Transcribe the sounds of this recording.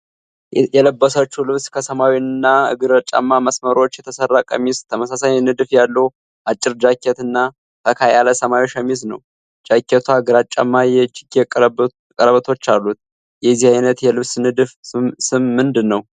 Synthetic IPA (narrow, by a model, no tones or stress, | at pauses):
jɛləbːəsət͡ʃːulɨβskʰəsəmawinɨnːaɨ̰ɡɨɾət͡ʃʼa̰mːaməsməɾo̞t͡ʃːjɛt̪ʰəsərːakʼə̰mist̪ʰəməsasaɲnɨd̪ɨfjalːə | ʔat͡ʃʼːɪɾd͡ʒakʰːɛt̪ɨnːa | k̪ʰəkʰajaləsəmawiʃəmisnəw | d͡ʒakːɛt̪ʰʷaɡɨɾat͡ʃʼːa̰mːajɛd͡ʒɪɡekʼ | kʼəɾəβət̪ʰo̞t͡ʃːalːut̪̚ | jɛzihajnət̪jɛlɨβsnɨd̪fsɨmːɨnd̪ɨnːəw